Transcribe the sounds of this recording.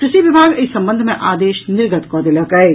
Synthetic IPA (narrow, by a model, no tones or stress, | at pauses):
kɾɪʃiʋɪbʱaːɡɪsɐ̃mbə̃nd̪ʱmẽʔaːd̪eːʃnɪɾɡət̪kɔːd̪elɐkɐe